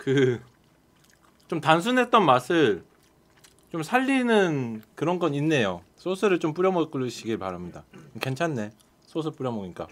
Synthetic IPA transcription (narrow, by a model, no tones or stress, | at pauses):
kɯ | t͡ɕomtans̬ʰunɦe̞t̚t͈ʌnmasʰɯɭ | t͡ɕomsʰaʎːinɯnkɯɾʌnɡʌninːe̞josʰosʰɯɾɯɭt͡ɕomp͈uɾjʌmʌk͈ɯɯɕʰiɡipaɾamɲidake̞nt͡ɕʰanːe̞ | sʰosʰɯp͈uɾjʌmʌɡik͈a̰